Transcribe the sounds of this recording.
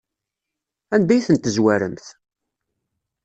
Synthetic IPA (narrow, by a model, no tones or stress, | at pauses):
ænd̪æjθənt̪əzwæɾəmθ